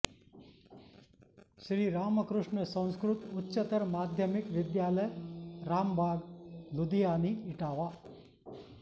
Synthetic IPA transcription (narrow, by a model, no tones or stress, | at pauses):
ʃɾiɾaːməkɾʊʂɳəsə̃w̃skɾʊt̪utːʃət̪əɾmaːd̪ʱjəmikʋɪd̪jaːləjɾaːmbʱaːɡlud̪ijaniiʈaːʋa